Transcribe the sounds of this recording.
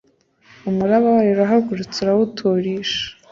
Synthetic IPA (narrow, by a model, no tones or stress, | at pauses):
umuɾaβawajuɾaɦaɡuɾut͡suɾawutʰoːɾiːʃḁ